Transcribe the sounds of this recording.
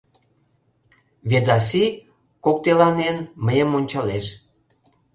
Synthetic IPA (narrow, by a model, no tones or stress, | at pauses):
βed̪ɑs̬i | kok̚t̪elɑnenməjəmonʲt͡ɕɑleʃ